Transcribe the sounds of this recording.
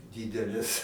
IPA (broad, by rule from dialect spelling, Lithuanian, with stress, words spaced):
ˈdʲiːdʲɛlʲɛs